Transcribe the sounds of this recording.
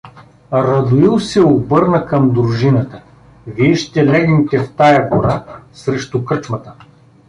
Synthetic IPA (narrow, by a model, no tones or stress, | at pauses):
ɾɐd̪ʊilˠsɛobɤɾnəkɐmd̪ɾʊʒinət̪ə | viɛʃt̪ɛlɛɡ̪nʲit̪ɛft̪ajɐɡoɾasɾɛʃt̪ʊkɾt͡ʃmɐt̪ə